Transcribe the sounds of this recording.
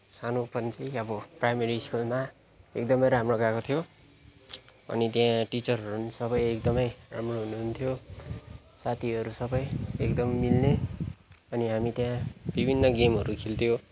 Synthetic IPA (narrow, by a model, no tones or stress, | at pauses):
sanopʌnt͡siʌbʌprajmeɾiskulma | ek̚d̪ʌmʌjɾamroɡakot̪ʰjo | ʌ̰nit̪jãʈit͡sʌrɦʌɾunisʌbʌjekd̪ʌmʌjra̰mroɦunuɦunt̪ʰjo | sat̪ʰiɦʌɾusʌbʌjekd̪ʌmːilne | ʌniɦamit̪jãbibʱinːʌɡemɦʌɾukʰilt̪ʰjo